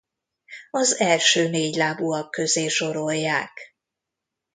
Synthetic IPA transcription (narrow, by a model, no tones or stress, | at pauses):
ɒzɛlʃøːneːɟlaːbuɒkːøzeːʃo̞ɾo̞jːaːk